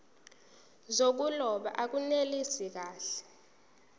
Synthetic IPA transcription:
zok̬ulɔɓa̰ʔak̬unelisik̬aːɬɛ̥

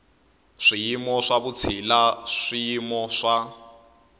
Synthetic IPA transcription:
ʂijimɔʂaβut͡sʰilaʂijimɔʂa

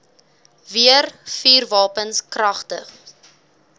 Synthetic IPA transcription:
viərfiːrvɑːpənskrɐχtəχ

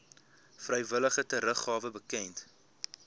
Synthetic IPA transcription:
frəjvələχətəɾəχɑːvəbəkɛnt

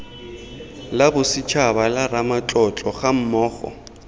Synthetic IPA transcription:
labʊsɪt͡ʃʰabalaramat͡ɬʼɔt͡ɬʼɔχam̩mɔːχɔ̰

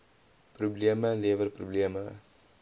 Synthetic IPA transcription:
probliəmaleʋəlprobliəma

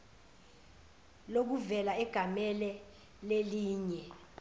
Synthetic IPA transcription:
lok̬uvɛlaɛɡ̥ʱamɛlɛ | leliːɲɛ

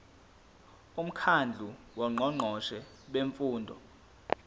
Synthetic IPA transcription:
um̩kʰand͡ɮʱuwɔŋ͡ǃʱɔŋ͡ǃʱɔʃɛ | ɓeɱfuːndʱɔ̰

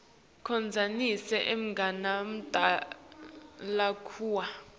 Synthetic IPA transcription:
kʰɔnd͡zʱanisɛʔem̩ŋɡʱanam̩tʼa | lakʰuːwa

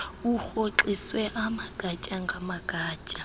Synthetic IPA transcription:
uxoǁiswɛʔamaɡ̥ʱat͡ʃʼaŋɡʱamaɡ̥ʱaːt͡ʃʼḁ

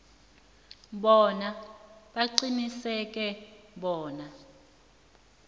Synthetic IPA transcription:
ɓɔnaɓaǀinisɛk̬ʼɛɓɔːna

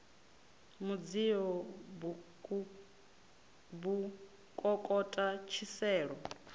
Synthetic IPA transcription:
mud͡ziɔbu | bu | kʼɔkʼɔtʼat͡ʃʰisɛːɺɔ

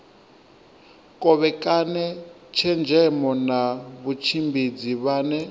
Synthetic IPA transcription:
kʼɔβɛkʼanɛ | t͡ʃʰɛnd͡ʒʱɛmɔnaβut͡ʃʰimbʱid͡ziβaːnɛ

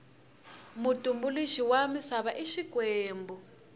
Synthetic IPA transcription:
mutʼumbuliʃiwamisaβaʔiʃikwɛːmbɔ

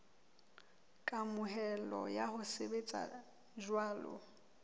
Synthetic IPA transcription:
kʼamʊɦɛlɔ̰jahʊsebet͡sʼa̰ | ʒwaːlʊ̰

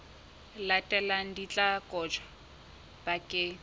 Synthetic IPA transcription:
latʼɛlan̩dit͡ɬʼakʼɔt͡ʃʰḁ | b̥akʼɪ

